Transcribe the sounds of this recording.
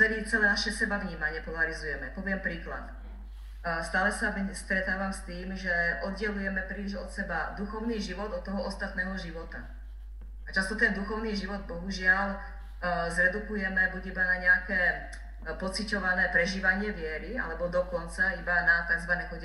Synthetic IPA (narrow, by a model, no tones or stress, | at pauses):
t͡sɛlit͡sɛlɛːnaʃɛsɛbavɲiːmaɲɪɛpɔlaɾizujɛmɛpɔʋɪɛmpɾiːkla̰t̪ | st̪aːlɛsamist̪ɾɛt̪aːʋamst̪iːmʒɛʔɔd̪ɟɛlujɛmɛpɾiːliʒɔt̪sɛbad̪uxɔʊniːʒiʋɔd̪ɔt̪ːɔɦɔʔɔst̪at̪nɛːɦɔʒiʋɔt̪a | at͡ʃast̪ɔt̪ɛnd̪uxɔʊniːʒiʋɔd̪̚bɔɦuʒɪal | zɾɛd̪ukujɛmɛbuɟibanaɲɛakɛː | pɔt͡sicɔʋanɛːpɾɛʒiːʋaɲɪɛʋɪɛɾia̰lɛbɔd̪ɔkɔnt͡saibanat̪aɡzʋanɛːxɔɟ